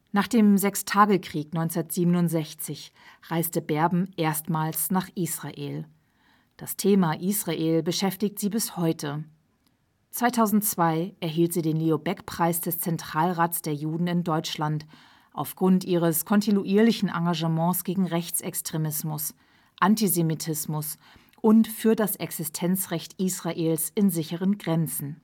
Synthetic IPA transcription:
naːχd̥eːmzɛkstʰaːɡəkʁ̥iːknɔʏnt͡sɐtz̥iːbənʊntz̥ɛçt͡sɪç | ʁ̥aɪstəbɛɐbm̩ʔeːɐstmaːlsnaːχʔiːsʁ̥aʔḛːl | d̥astʰeːmaʔiːsʁ̥aʔeːlbəʃɛftɪç̚tz̥iːbɪshɔʏtʰə | t͡sv̥aɪtʰaʊzn̩tt͡sv̥aɪʔɛɐɦiːltz̥iːdeːnliobɛkpʁ̥aɪsd̥ɛst͡sɛntʁ̥aːlʁaːtsd̥eːɐjuːdn̩ɪndɔʏt͡ʃlant | ʔa̰ʊfɡ̥ʁʊntʔiːʁəskʰɔntinuʔiːɐlɪçn̩ʔa̰ŋɡaʒəmɑ̃ːsɡ̥eːɡŋ̩ʁɛçt͡sɛkstʁ̥emɪsmʊs | ʔantizemitʰɪsmʊs | ʔʊntfyːɐdasʔɛksɪstʰɛnt͡sʁɛçtʔiːsʁ̥aʔeːlsɪnzɪçəʁənɡʁɛnt͡sn̩

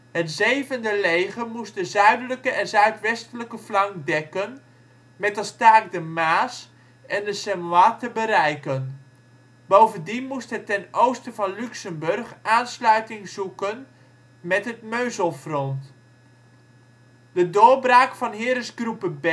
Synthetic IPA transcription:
ɦətzejvəndəlejχəmustdəzœɥdələkəʔɛnzœɥtʋɛstələkəflɑŋdɛkən | mɛtəstaːk̚dəmaːs | ɛndəsɛmaːtəbəɾɛjkən | bowvəndinmustɦətɛnowstəvɑnlyksəmbɵrχʔaːnslœɥtɪŋzukən | mɛtɦətmøɥzəlˠfrɔnt | dədʊːɹbraːkfɑnɦɪːɾəsɡrupəb

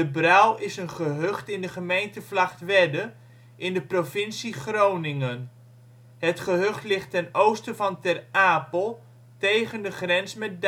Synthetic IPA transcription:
dəbrawɪsənχəɦøχtɪndəχəmejntəvlɑχtʋɛdə | ʔɪndəprovɪnsiχrownɪŋən | ɦətχəɦɵχtlɪχtɛnowstəvɑntɛraːpəlˠ | tejχəndəχrɛnsmɛt̚d

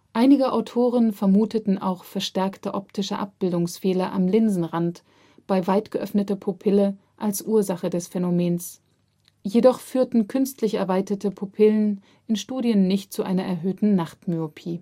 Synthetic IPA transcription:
ʔaɪnɪɡəʔaʊtʰoːʁ̞ənfɛɐmuːtətn̩ʔa̰ʊxfɛɐʃtɛɐktəʔɔptʰɪʃəʔa̰p̚b̥ɪldʊŋsfɛːlɐʔa̰mlɪnzn̩ʁant | b̥aɪvaɪtɡ̥əʔœ̰fnətɐpʰopʰɪlə | ʔalsʔuːɐzaχədɛsfɛnomeːns | jedɔχfyːɐtn̩kʰʏnstlɪçɛ̰ɐvaɪtɐtəpʰopʰɪlən | ʔɪnʃtuːdjənːɪçtt͡suʔaɪnɐʔɛɐɦøːtn̩naχtmyopʰiː

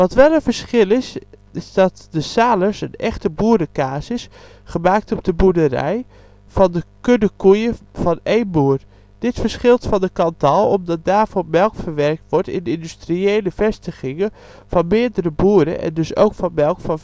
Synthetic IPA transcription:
ʋɔtʋɛlˠənvəɹsχɪlˠɪs | ɪzdɔtdəsaːləsənɛ̰χtəbuːədəkaːsɪs | χəmaːk̚tɔb̚dəbudərɛ̰j | fɔndəkødəkujəv̥ɔneːnbuːər | d̥ɪtfəɹsχɪlˠtfɔndəkɑntʰɔlˠɔmdɔt̚daːrvɔmɛlˠkfəɹʋɛrk̚tʋɔɹtɪ̰nɪndystrieːləfɛstəχɪŋə | fɔnmɪːədəɾəbuəɾə̰ʔɛ̰ndɵso̰wkfɔnmɛlˠkfɔn

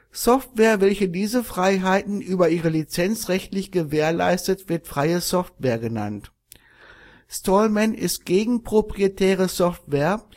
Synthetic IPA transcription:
sɔftv̥ɛːɐvɛlçədiːzəfʁ̥aɪɦaɪtn̩ʔyːbɐʔiːʁəlit͡sɛnt͡sʁɛçtlɪçɡ̥əveːɐla̰ɪstətv̥ɪɐtfʁ̥aɪəsɔftv̥eːɐɡəna̰nt | stɔlmɛnʔɪst̚ɡ̥eːɡŋ̩pʁ̥opʁ̥ietʰɛːʁ̞əsɔftv̥ɛːɐ

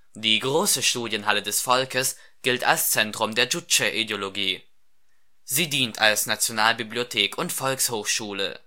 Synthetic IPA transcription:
d̥iːɡʁoːsəʃtuːdjənɦalədɛsfɔlkəs | ɡ̥ɪlta̰lst͡sɛntʁ̥ʊmdeːɐd͡ʒʊt͡ʃɐʔideoloɡiː | ziːdiːntʰalsnat͡sjonaːlbibliotʰeːkʊntfɔlkshoːxʃuːlə̰

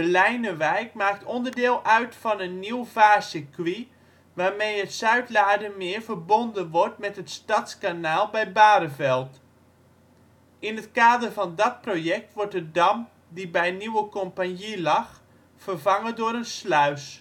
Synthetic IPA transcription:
əlɛjnəʋɛjkmaːk̚tʰɔndərdɪːlˠʔœɥtfɔnənːiwvaːsəkʋi | ʋaːɹmejətsœɥtlaːdəmɪəɹvərbondənʋɔrtmɛtətstatskanaːlˠbɛjbaːdəvɛlˠt | ɪnətkaːdərvɑndɔt̚projɛk̚tʋɔɹtədɑm | dibɛjniwəkompanjilɑx | fərvɑŋədʊəɾənslœɥs

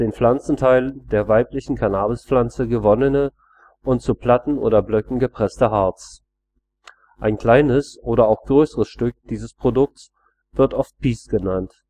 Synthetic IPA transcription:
d̥eːnflant͡sn̩tʰaɪləndeːɐvaɪplɪçn̩kʰanaːbəsflant͡səɡəvɔnənə | ʔʊntt͡supl̥atn̩ʔo̰ːdɐblœkŋ̩ɡəpʁ̥ɛstəɦaɐt͡s | ʔaɪnkl̥aɪnəsʔoːɾɐaʊxɡ̥ʁøːsəʁəsʃtʏk̚d̥iːzəspʁ̥odʊk̚s | v̥ɪɐtʔɔft̚pʰiːsɡ̥ənant

